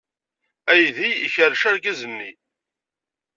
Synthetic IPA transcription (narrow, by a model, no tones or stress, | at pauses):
æjðiiçəɾʃaɾɡæzənːi